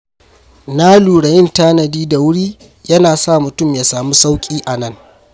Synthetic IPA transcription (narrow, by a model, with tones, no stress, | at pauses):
na˦luː˨ɽɐ˨jɪ˦ntaː˦nɐ˨diː˦da˨wʊ˦ɽiː˦ | jɐ˦naː˨sa˦˨mʊ˨tʊ˦˨mjaː˨saː˨mu˦sa˦wkʲʼiː˦ʔa˨nɐ˦˨ŋ